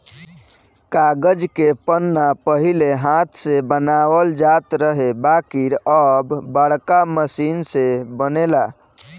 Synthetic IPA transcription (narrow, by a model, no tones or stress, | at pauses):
kaɡəd͡ʒkepənːapəɦileɦãt̪ʰsebənaʋəld͡ʒat̪ɾəɦebakiɾəbːəɽkaməsinsebənela